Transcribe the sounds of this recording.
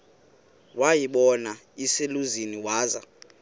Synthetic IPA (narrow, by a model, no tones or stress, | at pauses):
wajiɓɔna | iseluziniwaːza̰